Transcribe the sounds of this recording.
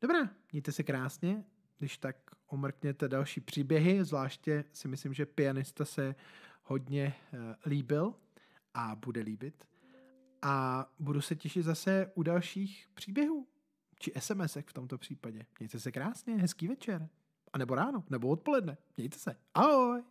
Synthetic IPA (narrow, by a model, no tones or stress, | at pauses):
d̥o̞bɾaːmɲɛjt̪ɛsɛkɾaːsɲɛ | ɡdɪʃt̪akʔomr̩kɲɛt̪ɛdalʃiːpr̥iːbjɛɦɪzvlaːʃcɛsɪmɪslɪmʒɛpɪanɪst̪asɛho̞dɲɛliːbɪl | ʔabudɛliːbɪt̪ | ʔabudusɛcɛʃɪt̪zasɛʔudalʃiːxpr̝̥iːbjɛɦuː | t͡ʃɪʔɛsɛmɛsɛxft̪o̞mt̪o̞pr̝̥iːpaɟɛmɲɛjt̪ɛsɛkɾaːsɲɛɦɛskiːvɛt͡ʃɛɾ | ʔanɛbo̞ɾaːnonɛboot̪̚po̞lɛdnɛmɲɛjt̪ɛ̥sɛʔaɦoj